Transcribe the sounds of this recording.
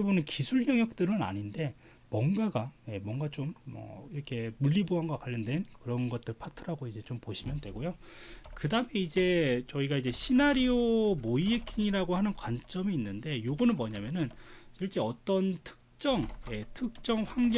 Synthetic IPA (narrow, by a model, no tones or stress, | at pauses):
ibomenkisʰuɭɲʌŋjʌk̚t͈ɯɾɯna̰ɲinde̞ | mwʌŋɡaɡaje̞mwʌŋɡat͡ɕomːʌ̰iɾʌkʰe̞muɭːiboɦanɡwakaʎːʌndwe̞nkɯɾʌnɡʌt̚t͈ɯɭpʰatʰɯɾaɡoid͡ʑe̞t͡ɕompoɕʰimjʌndwe̞ɡojo | kɯdame̞id͡ʑe̞t͡ɕʌiɡaid͡ʑe̞ɕʰinaɾiomoiekʰiŋiɾaɡohanɯnkwant͡ɕ͈ʌmiːnːɯnde̞joɡʌnɯnmʌɲamjʌnɯnsʰiɭt͡ɕ͈e̞ʌt͈ʌntʰɯ̥k̚t͡ɕ͈ʌŋje̞tʰɯk̚t͡ɕ͈ʌŋɸwaŋd͡ʑ